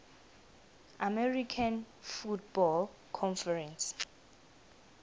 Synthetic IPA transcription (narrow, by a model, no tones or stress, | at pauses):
amɛɹikʰan | futbɔl | kʰɔnfɛɹɛns